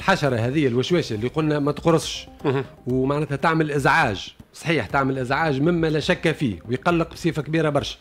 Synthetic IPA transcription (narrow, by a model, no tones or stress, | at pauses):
lħaʃɑɾˤɑɦɛðɪjːælwæʃwæːʃælːiqʊlnæmæt̪qɾˤəsˤʃ | wmaʕnæːt̪hæt̪aʕməlʔɪzʕaːʒsˤħiːħt̪aʕməlʔɪzʕaːʒmɪmːælæʃækːæfḭːwjqɑlːəq̚bsˤiːfakbiːɾabɑɾˤʃæ̥